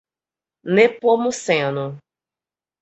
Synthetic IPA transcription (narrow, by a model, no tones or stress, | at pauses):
nepomũsɛ̃anũ